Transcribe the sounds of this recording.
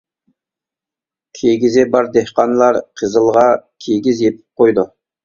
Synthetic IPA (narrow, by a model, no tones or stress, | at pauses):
kʲʰeɡʲizɪbɑɾd̪ehqɑnlˠɑɾqʰəzəlˠʁɑkʲʰeɡʲizjep̪̚ʰɪ̥p̚qojd̪u